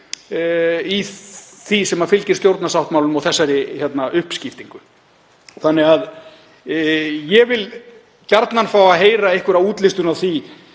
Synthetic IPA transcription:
iθisɛmafɪlcɪɾ̥st̪jowɾt̪nasawht̪maːwlʏmɔɣθɛsːaɾɪçjɛt̪naʔʏhpscɪft̪iŋkʏ | θanːɛɣað | jɛvɪl | caɾt̪nanfawaðɦeːjɾaejhkvʏɾavuːt̪lɪst̪ʏnawθi

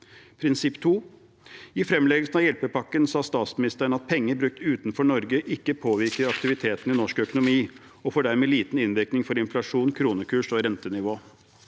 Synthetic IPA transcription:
pʰɾɪnsɪpːt̪ʰuː | ɪfɾɛmlɛːɡəlsn̩ɑʋjɛlpəpɑkːənsɑːst̪ɑːt̪smɪnɪst̪əəɳ̩ɑt̪̚pʰɛŋːəɾbɾʉk̚t̪ʉːt̪n̩fɔɳɔɾɡəʔɪkːəpʰoːʋɪɾkəɾɑkt̪ɪʋɪt̪ʰeːt̪n̩ɪnɔʂkœkʊnʊmiː | ɔfoːɖæɾmeːliːt̪n̩ɪnʋɪɾknɪŋfɔɾɪnflɑʂuːnkʰɾuːnəkʰʉːʂɔɾɛnt̪ənɪʋoː

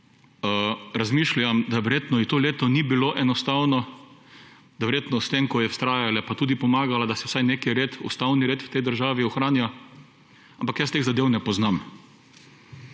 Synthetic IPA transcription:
əɾazmiʃljamd̪aʋɛɾjet̪nɔit̪oːleːt̪ɔnibiloʔɛnɔst̪awnɔ | d̪ɐʋɛɾjeːt̪nɔst̪emkɔjɛwst̪ɾaːjalɛpat̪uːd̪ipɔmaːɡalad̪asɛwsajnekɛɾeːt̪ṵst̪awniɾeːt̪wt̪ɛjd̪əɾʒaːʋiɔxɾaːnja | ampakjast̪eːɣzad̪eːwnɛpɔznam

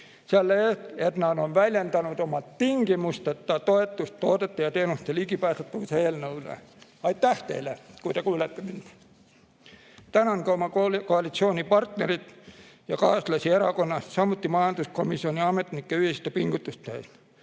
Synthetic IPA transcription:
siælːæeernɑːnonʋæljænt̪ænut̪omɑt̪t̪iŋkimust̪ɑt̪ːɑt̪oet̪ːust̪t̪oːt̪et̪ːɑjɑt̪enust̪elikipæːst̪et̪ːuselnoulæ̰ | ɑit̪t̪æht̪ḛilækuit̪ekuːlet̪ːenynt̪ | t̪ænæŋkɑumɑkolkoɑlit̪sioːnipɑrt̪nerit̪ | jɑkɑːslɑsieɾækonːɑssɑmːut̪ːimɑːnt̪uskomisːioniɑmet̪ːnikːæyhist̪æpiŋkut̪ːust̪ːæist̪

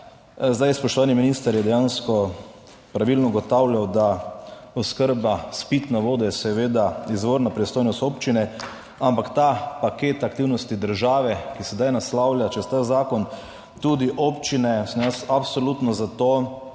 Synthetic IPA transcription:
zd̪ajspɔʃt̪ɔʋaːniminist̪əɾjɛd̪ɛjanskɔ | pɾaʋilnɔuɡɔt̪awlʲjawd̪aɔskəɾbaspit̪naʋoːd̪ɔjɛsɛʋeːd̪aizʋoːɾnapɾɛst̪oːjnɔst̪oːpt͡ʃinɛ | ampakt̪apakeːt̪akt̪iwnɔst̪id̪əɾʒaːʋɛkisɛd̪ajnaslawljat͡ʃɛst̪azaːkɔn | t̪ud̪iʔoːpt͡ʃinɛsɔmjasapsolut̪nɔzat̪oː

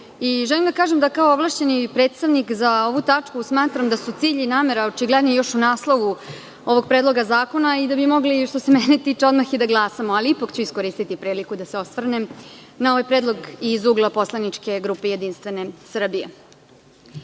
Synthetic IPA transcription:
iʒɛlimd̪akaːʒemd̪akaooʋlˠaʃt͡ɕe̞nipɾet̪st̪aʋnikzaoʋut̪at͡ʂkusmaːt̪ɾamd̪asut̪siːʎinaːmeɾaot͡ʃiɡled̪nojo̞ʃunaːslˠoʋu | o̞ʋo̞ɡ̚pɾed̪lˠo̞ɡazaːko̞naid̪abimo̞ɡliʃt̪o̞semɛnet̪iːt͡ʂeo̞d̪maxid̪aɡlˠaːsamoaliipakt͡ɕuisko̞ɾiːst̪it̪ipɾiːlikud̪aseo̞st̪ʋrnenao̞ʋajpɾed̪lˠo̞ɡizuɡlˠapo̞slˠanit͡ʂke̞ɡɾuːpe̞jed̪inst̪ʋe̞ne̞sr̩bije

